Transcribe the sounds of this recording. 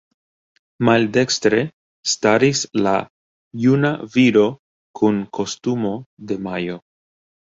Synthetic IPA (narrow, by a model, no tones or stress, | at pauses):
malde̞kstɾe̞ | staɾisla | junaviɾo̞ | kʰunkʰo̞stumo̞d̪e̞majo̞